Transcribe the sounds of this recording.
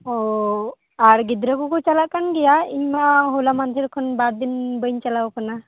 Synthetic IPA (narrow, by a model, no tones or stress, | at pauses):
ɔ | aɾɡid̪ɾəkɔkɔt͡ʃalaʔkanɡɛjaiɲmaɦolamand̪ʱiɾkʰɔnbaɾd̪inbəjɲt͡ʃalawkɔna